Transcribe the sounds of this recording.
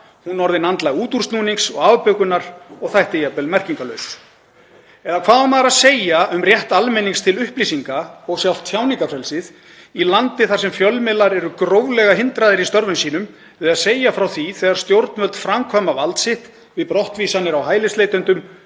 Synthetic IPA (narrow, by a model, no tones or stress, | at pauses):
hunːɔɾðɪnant̪laɣuːt̪urst̪nuːniŋsɔɣavpœkʏnaɾɔɣθajht̪ejapɛlmɛr̥ciŋkalœɥs | ɛðakʰvaːðʏmaðɾaseːjaʏmrjɛht̪almɛniŋkst̪ʰɪlʏhplisiŋkaɔɣsjawl̥t̪ʰːjawniŋkafɾɛlsɪð | ilant̪ɪθaɾ̥sɛmfjœlmɪlaɾɛɾʏkɾoːwlɛɣaɦɪnt̪ɾaðɪɾist̪œɾvʏmsiːnʏm | ɪðaðseːjafɾawθiθɛːɣaɾ̥st̪jowɾt̪nmœlt̪fɾamkʰœmavalt̪sɪht̪ | vɪðpɾɔht̪viːsanːɪɾawɦaːjlɪst̪lejt̪ʏnt̪ʏm